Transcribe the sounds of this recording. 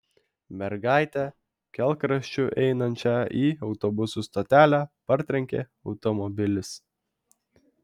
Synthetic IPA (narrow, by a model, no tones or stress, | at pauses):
mʲɛɾɡɑˑɪt̪ʲɛ | kʲɛlˠˑkɾɐʃʲt͡ʃʲʊʔɛɪnɐnʲt͡ʃʲæiːɒʊt̪ɔbʊsuːst̪ɔt̪ʲæːlʲæːpɐɾʲt̪ʲɾʲɛŋʲkʲeː | ɒʊt̪ɔmɔbʲɪlʲɪs